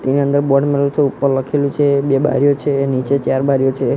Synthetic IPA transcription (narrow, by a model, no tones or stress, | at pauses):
t̪eniənd̪əɾbɔɖmeɖəlseupːəɾləkʰelũt͡ʃʰebeba̰ɾjot͡ʃʰenit͡ʃet͡ʃaɾbaɾijot͡ʃʰe